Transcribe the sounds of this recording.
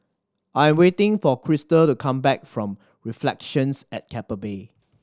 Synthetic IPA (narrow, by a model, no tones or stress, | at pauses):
ʔajɛ̃mwetɪ̃ŋfɔkʰɹɪstəltukʰãmbɛk̚fɹɔ̃m | ɹiflɛkʃə̃nsɛt̚kʰɛpəbe